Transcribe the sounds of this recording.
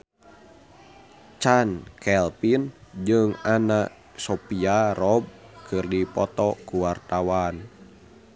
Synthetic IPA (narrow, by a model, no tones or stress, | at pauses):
t͡ʃankʰɛlpind͡ʒɨŋanaʔ | sɔpiarɔb̚ | kʰɨrdipɔt̪ɔkuwart̪awan